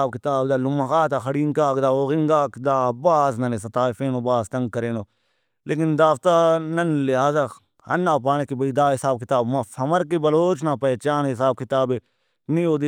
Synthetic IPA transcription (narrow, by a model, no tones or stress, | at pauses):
aːbkɪt̪aːbd̪aːlʊmɐxaːt̪axɐɽiːŋkaːkd̪aːoːɣɪŋɡaːkd̪aːbaːznɐnes̬ɐt̪aːfeːnoːbaːst̪ɐ̃ŋɡ̚kɐɾẽːnoː | leːkɪnd̪aːft̪aːnɐnlɪɦaːza | ɐ̰nːaːp̬aːneːkibɐiːd̪aːɦɪsaːb̚kɪt̪aːbmãfʰɐmɐɾkibɐloːt͡ʃnaːpɛt͡ʃaːnɦɪsaːb̚kɪt̪aːbe | nioːd̪i